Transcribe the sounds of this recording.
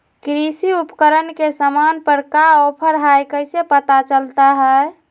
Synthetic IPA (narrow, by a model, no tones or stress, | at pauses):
kɾisiupkəɾənkesəmanpəɾkaɔpʰəɾɦajkəjsepət̪at͡ʃəlt̪aɦɛ